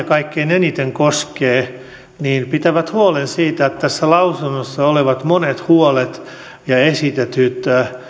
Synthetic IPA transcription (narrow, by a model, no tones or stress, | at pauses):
kɑikːeinenit̪eŋkoskeː | niːnpit̪æʋæt̪huolensiːt̪æet̪t̪æsːælɑusunːosːɑoleʋɑt̪monet̪huolet̪ | jɑesit̪et̪yt̪æ